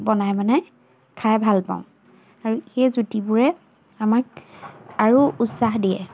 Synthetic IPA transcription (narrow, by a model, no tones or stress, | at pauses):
bɔnajmanɛ | kʰajbʱalpa̰ʊ̃ | aɹuxejzutibʊɹɛ | amak̚ | aɹuutsaxdijɛ̰